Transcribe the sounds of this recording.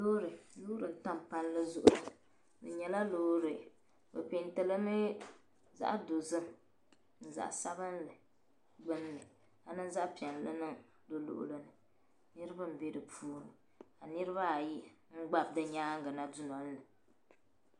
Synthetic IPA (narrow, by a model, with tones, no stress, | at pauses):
loː˦ɾɨ˨loː˦ɾɨ˨n̩˨ta˦mpa˦nlɨ˦zʊ˦ʔʊ˦˨ | bɨ̰˨ɲɛ˨la˦loː˦ɾɨ˨ | bɨ̰˨pi˨n˦tɨ˨lɨ˦mɨ˦ | za̰˦ʔdo˨zɨ˦ | n̩˨za̰˨ʔsa˦βɨ˦nlɨ˨ | ɡ͡bɨ˦n˦nɨ˨ | a˨nɨ˦n˦za˦ʔpi˨ɛ˨n˨lɨ̰˦nɨ˦ŋ | do˦lo̰˨ʔʊ̰˨lɨ˦nɨ˨ | nɨ˦ɾɨ˦ba˦m̩˨be˦dɨ˨pʰuː˦ɾɨ˨ | a˨nɨ˦ɾɨ˦βa˦˨ji˦ | ŋ̩˦ɡ͡ba˦b̚dɨ˦ɲaː˦ŋ̩˦ɡɨ˨na˦du˦nɔ˨n˦lɨ˨